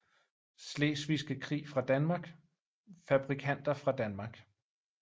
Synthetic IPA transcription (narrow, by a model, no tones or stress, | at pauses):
slḛːsʋisɡ̥əkʰʁḭːfʁɑ̈d̥ænmɑ̈ɡ̥ | fæb̥ʁikʰæn̰d̥ɐfʁɑ̈d̥ænmɑ̈ɡ̥